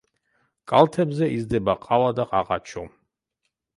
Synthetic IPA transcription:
kʼalt̪ʰɛbzɛʔizd̪ɛbaqʼawad̪aqʼa̰qa̰t͡ʃʰɔ

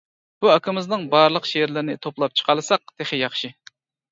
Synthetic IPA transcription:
b̥uɑkʰɪmɪznɨŋbɑɾlˠəqʃeɾlɪɾɪnɪt̪ʰoplˠɑp̚t͡ʃʰə̥qʰɑlˠɨsɑq̚d̪̥eχɪjɑχʃi

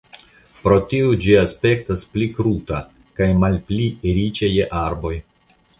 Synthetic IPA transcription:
pɾo̞tiud͡ʒiaspe̞k̚tasplikɾuta | kajmalpliɾit͡ʃe̞jeʔaɾbo̞j

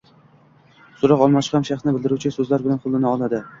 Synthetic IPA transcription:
sʊɾɑqɒlˠmaqʰɑmʃɑχsnɪbɪlˠd̪ɪɾuwt͡ʃʰɪsɵzlaɾbɪlanqʰʊlːˠɪnɪɒlˠad̪ɪ

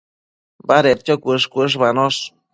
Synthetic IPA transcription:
baɾeɾtʲokʷɨʂkʷɨʂ̬banoʂ

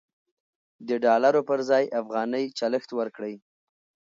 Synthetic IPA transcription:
d̪əɖɑlaɾopəɾzɑjafɣɑnəjt͡ʃaləxt̪wəɾkɽəj

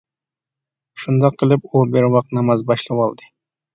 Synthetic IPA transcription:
ʃund̪ɑqʰːəlˠɪp̚ubɪɾwɑq̚nɑmɑzbɑʃlˠɨwɑlˠd̪ɨ

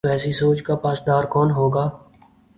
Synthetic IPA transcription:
ɛːsisoːt͡ʃkaːpaːsd̪aːɾkɔːnɦoːɡaː

